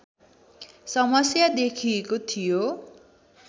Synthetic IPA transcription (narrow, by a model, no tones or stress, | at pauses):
sʌmʌsjad̪ekʰiekot̪ʰijo